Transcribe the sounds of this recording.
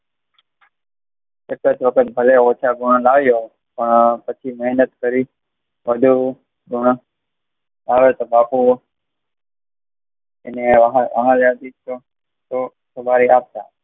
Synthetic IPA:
ekət͡ʃʋəkʰət̪̚bʱəleoːt͡ʃʰaːɡʱʊɳ̃laːʋjo | pəɳpət͡ʃʰiːmɛɦnət̪kəɾiː | ʋəd̪ʱuː | ɡʱʊɳ̃ | laːʋet̪obaːpu | eneʋɦʋə̰ɦãːlad̪it͡ʃo | t̪oː | sobaːɾiaːp̚t̪a̰ː

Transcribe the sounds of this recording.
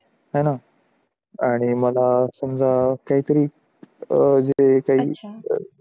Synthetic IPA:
ɦajna | aɽ̃iməlasəmd͡zakaɦiːt̪əɾiː | d͡zekaɦiː

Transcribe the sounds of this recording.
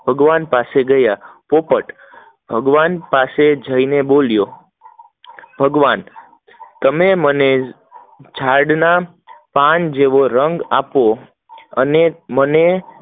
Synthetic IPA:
bʱəɡʋanpaseɡəjapopəʈ | b̥ʱəɡʋanpased͡ʒʱəineboljo | bʱəɡʋan | t̪əmeməne | d͡ʒʰaɾɖna | pand͡ʒeʋoɾəŋɡapo | əneməne

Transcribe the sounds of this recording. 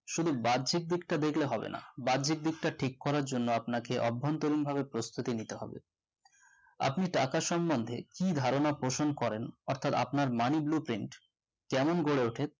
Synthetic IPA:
ʃud̪ʱubad̪d͡ʑʱik̚d̪ikʈad̪ekʰleɦɔbḛnʔa̰badd͡ʑʱik̚d̪ik̚ʈaʈʰikːɔɾaɾd͡ʑonːoapnakeʔɔbʱːont̪oɾinbʱabepɾost̪ut̪init̪eɦɔ̰bḛ | a̰pniʈakaʃɔmbond̪ʱḛkid̪ʱaɾonapɾoʃonkɔɾenɔɾt̪ʰat̪a̰pnaɾmaniblupɾiɳʈ | kɛmonɡoɽeoʈʰet̪

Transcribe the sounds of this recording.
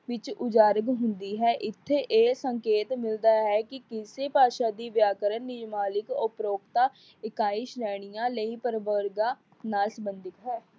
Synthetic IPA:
ʋɪt͡ʃʊd͡ʒaːɾəɡɦʊnd̪iːɦɛːʔɪt̪ʰːeːʔeːsəŋkeːt̪mɪld̪aːɦɛːkɪkɪseːpaːʃaːd̪iːʋjaːkəɾənːɪd͡ʒmaːlɪkʊpɾoːkt̪aː | ɪkaːɪʃɾɛːɽ̃ijãːləiːpəɾʋəɾɡãː | naːlsəbənd̪ɪkɦɛː

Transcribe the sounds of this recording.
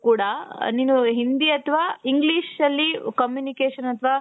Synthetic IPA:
kuːɽɐniːnuɦind̪iɐt̪ʰʋaːiŋɡliːʂɐlːikɐmjuːnikeːʂɐnɐt̪ʰʋaː

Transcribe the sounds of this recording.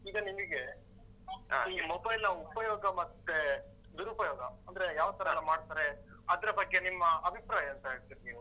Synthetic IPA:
iːɡɐnimiɡe̞ | iːmobɐjlnɐupɐjoːɡɐmɐt̪ːe | d̪uɾupɐjɔːɡɐɐnd̪ɐɾe̞jaːʋt̪ʰɐɾɐnːɐmaːɽt̪aːɾe̞ɐd̪ɐɾɐbɐɡːe̞nimːɐɐbʱipɾaːjɐnt̪ɐɦeːɭt̪iɾiniːʋu

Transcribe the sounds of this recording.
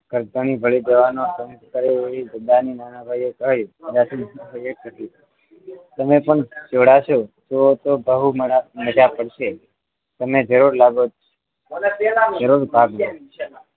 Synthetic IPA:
ɡ̥ʱəɾt̪əɳ̃ibʱəɭid͡ʒəʋanot̪əmskəɾeeʋid͡ʒəd̪aninanabʱaiekəɦjũd͡ʒat̪ʰimʱəek̚ət̪i | t̪əmepəɳd͡ʒoɽaʃot̪ot̪obəɦumməd͡ʒapəɽʃe | t̪əmed͡ʒʱəɾuɾlaɡod͡ʒt͡ʃʰe | d͡ʒʱəɾuɾbʱaɡʋ

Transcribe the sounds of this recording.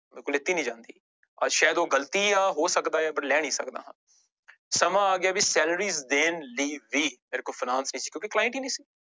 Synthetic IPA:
bɪlkʊlːɪt̪ːiːnĩːd͡ʒãːnd̪ḭː | əʃaːjəd̪oːɡəlt̪iːaːɦoːsəkd̪aːɛːbəɽlɛːɳ̃ĩːsə̰kd̪a̰ːɦãː | səmãːaːɡɪaːbisɛːləɾiːzd̪eːnliːʋiːmeːɾekoːfʰɪnãːnsnəĩːsiːkjõːkɪklaːɪ̃ɳʈiːnĩːsiː

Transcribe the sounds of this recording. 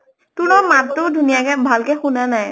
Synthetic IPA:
tʊnɔmattʊdʱunijakɛbʱalkɛxunanaj

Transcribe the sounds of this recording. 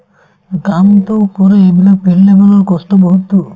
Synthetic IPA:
ɡamt̪opɔɾeebilɔpeɾlebalɔɾkɔst̪ɔbɔɦut̪u

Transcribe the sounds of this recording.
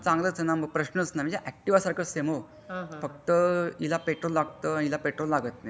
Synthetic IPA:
t͡sãŋɡlət͡sənaməɡ̚pɾəɕnəsnamid͡ʑaʔɛk̚ʈiʋasaɾkʰəsemo | fək̚t̪əilapeʈɾolːaɡt̪əanilapeʈɾolːaɡət̪ne

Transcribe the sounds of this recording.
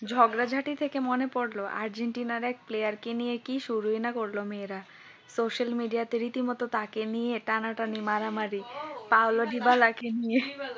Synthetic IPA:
d͡ʑʱɔɡɾad͡ʑʱaʈit̪ʰekemonepoɽloʔa̰ɾd͡ʑeɳʈinaɾɛkplejaɾkenijekiʃuɾuenakoɾlomeɾa | soʃalmiɖijat̪eɾit̪imɔt̪ot̪akenijeʈanaʈanimaɾamaɾipawloɖibalakenije

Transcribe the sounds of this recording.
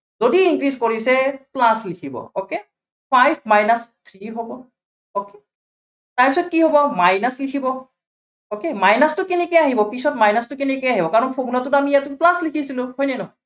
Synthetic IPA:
zodiiŋkɹizkoɹisɛplaslikʰibɔ̰oke | pʰajpʰmajnast̪ʰɹiɦobɔ | oke | taɹpisɔt̚kiɦobɔmajnaslikʰibɔ | okemajnastʊkinɛkɛjaɦibɔpisɔtmajnastʊkinɛkejaɦibɔkaɹɔnpʰoɡnɔtʊtamijatʊplaslikʰisilʊ̃hojnɛnɔ

